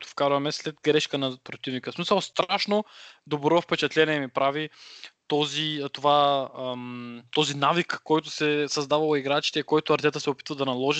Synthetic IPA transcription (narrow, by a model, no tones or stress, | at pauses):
t̪o̥fkaɾvɐmɛslɛd̪ɡɾɛʃkənɐpɾot̪ivnikəsmisəlˠst̪ɾaʃnod̪obɾɔfpɛt͡ʃɛt̪lɛniɛmipɾavit̪ɔzit̪ova | t̪ɔzinavikːɔjt̪ʊsɛsɐzd̪avɐlˠoiɡɾat͡ʃi̥t̪ɛikɔjt̪ʊɐɾt̪ɛt̪əsɛopi̥t̪vəd̪ɐnɐlˠɔʒi